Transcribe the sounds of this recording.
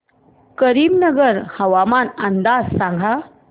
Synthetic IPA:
kəɾibnəɡəɾhəwamanand̪assaŋɡʱa

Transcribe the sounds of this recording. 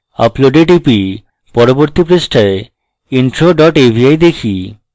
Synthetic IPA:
a̰ploɖeʈipi | pɔɾoboɾt̪ipɾesʈʰae | inʈɾoɖɔʈebʱiajd̪ekʰi

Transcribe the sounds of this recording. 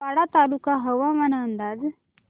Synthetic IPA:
aɽat̪alukaɦəʋamaɳaənd̪aːd͡z

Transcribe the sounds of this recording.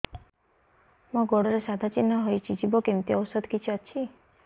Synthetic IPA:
mɔ̃ɡɔɽɔɾesad̪ʱat͡ʃinːaɦojt͡ʃʰid͡ʒibɔkemt̪iɔwsəd̪ʱkit͡ʃʰiət͡ʃʰi

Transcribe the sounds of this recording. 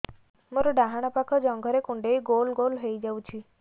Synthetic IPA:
məɾɖaɦaɽ̃apakʰɔd͡ʑəŋɡʱəɾekuɳɖeiɡolɡolɦejd͡ʑawt͡ɕiː

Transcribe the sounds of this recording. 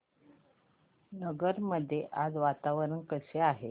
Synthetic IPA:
nəɡəɾməd̪ʱːjeʔad͡zʋat̪aʋəɾənkəɕeaɦe

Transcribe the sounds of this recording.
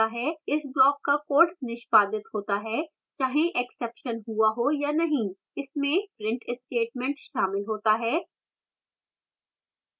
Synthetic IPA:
aɦɛːɪsblɔːkːakoːɾʈnɪʃpaːd̪ɪt̪ɦoːt̪aɦɛː | t͡ʃaːɦẽʔɛksɛːpʃənɦuaɦojanɐɦĩ | ɪsmẽpɾɪ̃ɳʈɪsʈeːʈ̚mɛ̃ɳʈʃaːmɪlɦoːt̪aɦɛː

